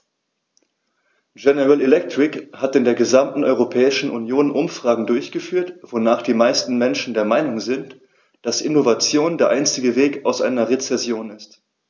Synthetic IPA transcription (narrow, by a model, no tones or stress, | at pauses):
ɡɛnəʁalelɛk̚tʁ̥ɪkhatɪndeːɐɡəzamtn̩ʔɔʏʁopʰɛːɪʃn̩ʔunjoːnʔʊmfʁ̥aːɡŋ̩dʊɐçɡ̥əfyːɐtv̥onaːχd̥iːmaɪstn̩mɛnʃn̩deːɐmaɪnʊŋzɪnt | d̥asʔɪnovat͡sjoːndeːɐʔaɪnt͡sɪɡəveːkaʊsʔa̰ɪnɐʁet͡sɛsjoːnɪst